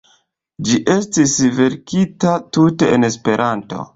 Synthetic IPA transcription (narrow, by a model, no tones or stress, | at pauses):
d͡ʒiʔe̞stisve̞ɾkitatute̞ene̞spe̞ɾʔanto̞̰